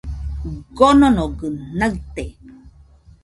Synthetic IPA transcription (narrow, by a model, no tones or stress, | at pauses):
ɡononoɡənəɰt̪e